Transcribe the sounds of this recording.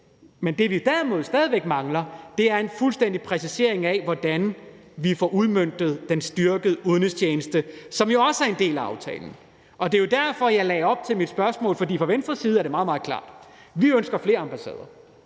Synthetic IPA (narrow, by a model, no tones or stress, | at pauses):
mend̥e̝ʋid̥æɐmo̝ð̞̩ˠsd̥ɛːðˠiʋeɡ̥mɑ̈ŋlɐd̥e̝æɐe̝nfulsd̥en̰d̥ipʰʁɛsise̝ɐe̝ŋɛʋɒd̥æn | ʋifɒːʔuð̞ˠmøn̰d̥ð̞̩ˠd̥ensd̥yɐɡ̥əð̩ˠuðˠnəst͡ɕʰeːnəsd̥əsɒ̽mjo̝ɒ̽səæɐe̝nde̝̰ːlæɑ̈ʊt͡sʰɛ̰ːln̩ | ʔɒ̽d̥e̝jo̝dæɐfɒ̽jɑ̈ɪlɛːɒ̽b̥̚t͡sʰe̝lmid̥sb̥ɶɐsmɔ̰ːlfɒ̽dḭːfʁɑ̈ʋensd̥ʁɐsiːð̞̩ˠæɐɾ̥emɑ̈ːð̞ˠmɑ̈ːð̞̩klɑ̰̈ːd̥ | ʋiønsɡ̥ɐfle̝ːɐɑ̈mb̥æsɛ̰ːð̞ˠɐ